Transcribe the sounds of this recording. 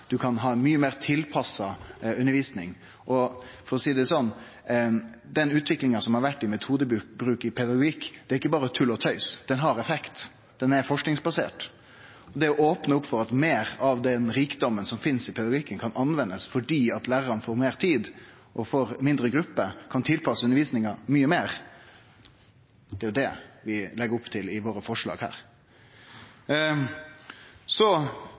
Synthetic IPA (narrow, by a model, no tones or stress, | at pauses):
d̪̥ʉkʰɑnɦɑːmyːəmeːɾt̪ʰɪlpʰɑsːɑʉnəʋiːsnɪŋ | ʔɔfɔɾɔsiːd̪ɛsɔnː | d̪ɛnʉːt̪ʰʋɪklɪŋɑsɔmhɑɾʋæʈːɪmɛt̪ʰuːd̪əbɾʉːkɪpʰɛd̪ɑɡʊɡik̪ːɛɾɪkːəbɑːɾət̪ʰʉlɔt̪ʰœʏsd̪̥ɛnɦɑɾɛfɛkt̪ | d̪̥ɛnɛɾfɔʂknɪŋsbɑsḛːʈ | ɔd̪ɛɔʔoːpnəʊpːfɔɾɑt̪meːɾɑʋd̪ɛnɾiːkd̪ɔmːənsɔmfɪnsɪpʰɛd̪ɑɡɪkːənkʰɑnʔɑnʋɛnːəsfɔɖiːɑt̪læːʁəɾɑnəfoːɾmeːʁt̪ʰiːd̪ | ʔɔfoːɾmɪnd̪ɾəɡɾʉpːəkʰɑnt̪ʰɪlpʰɑsːəʉnəɾʋiːsnɪŋəɾmyːəmeːɾ | d̪ɛæɾjʊd̪ɛʋɪlɛɡəɾʊpːt̪ʰɪlɪʋoːɾəfɔʂɭɑ̰ːɡhæ̰ːɾ | sɔ